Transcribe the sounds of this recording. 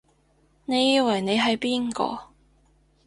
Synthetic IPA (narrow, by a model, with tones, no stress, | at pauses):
ne˨˧jiː˨˧wɐ˨˩jne˨˧jɦɐ˨jpiː˥nkɔ̰ː˧